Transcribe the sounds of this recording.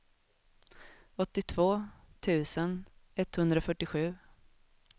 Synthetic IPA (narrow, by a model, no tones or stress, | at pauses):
ɔt̪ːɪt̪ʰv̥oːt̪ʰʉ̟ːsənɛt̪ːhɵnd̪ɾafœʈːɪɧʉ̟ː